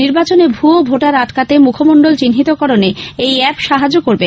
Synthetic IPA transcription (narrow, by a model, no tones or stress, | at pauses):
niɾbat͡ɕonebʱuobʱoʈaɾat̪kat̪emukʰomoɳɖolt͡ɕinɦit̪okɔɾoneejɛpʃaɦad͡ʑokoɾbe